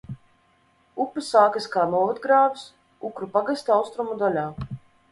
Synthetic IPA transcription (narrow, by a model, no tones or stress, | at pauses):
upːɨsaːkɨskaːnuɔvat̪ɡɾaːvis | ukɾupaɡast̪awst̪ɾumud̪alʲaː